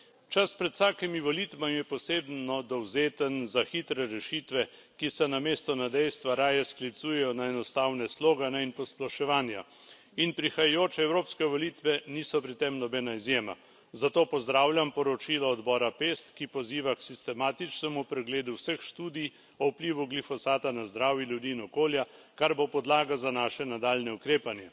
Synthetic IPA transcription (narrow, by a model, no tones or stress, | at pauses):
t͡ʃaspɾɛt̪saːkɛmiʋɔliːt̪ʋamijɛpɔseːbnɔd̪ɔwzeːt̪ənzaxit̪ɾɛɾɛʃiːt̪ʋɛ | kisɛnameːst̪ɔnad̪ɛjst̪ʋaɾaːjɛsklit̪suːjɛjɔnaɛnɔst̪awnɛsloːɡanɛinpɔsplaʃɛʋaːnja | inpɾixajajoːt͡ʃɛɛwɾoːpskɛʋɔliːt̪ʋɛniːsɔpɾit̪ːemnɔbɛːnaizjeːma̰ | zat̪oːpɔzd̪ɾaːwlʲjampɔɾɔt͡ʃiːlɔɔd̪bɔːɾapeːst̪kipɔziːʋaksist̪ɛmaːt̪it͡ʃnɛmupɾɛɡleːd̪uwsəxʃt̪uːd̪ij | ɔupliːʋuɡlifɔsaːt̪anazd̪ɾaːwjiljud̪iːnɔkoːljakaɾbopɔd̪laːɡazanaːʃɛnad̪aːlnɛukɾeːpanjɛ